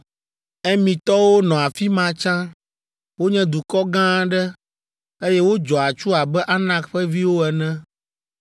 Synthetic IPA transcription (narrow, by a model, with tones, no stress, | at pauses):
ɛ˦mĩ˨t̪ɔ˦wo˦nɔ̃˨a˨fi˦mã˦t͡ʃã˦ | wo˦ɲɛ̃˦d̪u˨kɔ˦ɡã˦ɖɛ˦ | e˦jɛ˦wo˦d͡ʒɔ˨a˨t͡ʃu˦a˨bɛ˦ʔa˦nã˦kɸɛ˦vi˦wo˦ɛ˨nɛ̃˦